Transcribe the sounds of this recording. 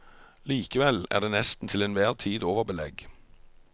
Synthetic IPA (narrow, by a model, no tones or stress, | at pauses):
liːkəʋɛlæ̰ːʁd̪eːnɛst̪n̩t̪ʰɪleːnʋæːʁt̪ʰiːd̪oːʋəʁbəlɛɡ